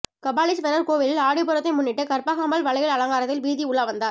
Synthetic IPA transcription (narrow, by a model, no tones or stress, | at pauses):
kɐbaːlɪsʋɛɾɐɾkoːʋɪlɪlaːɽɪpːɯɾɐt̪ːɐɪmʊnːɪʈːɯkɐɾpaːɣaːmɐlʋɐɭɐjɐɭɐlɐŋɡaːɾɐt̪ːɪlʋiːðiʊɭaːʋɐnd̪aːɾ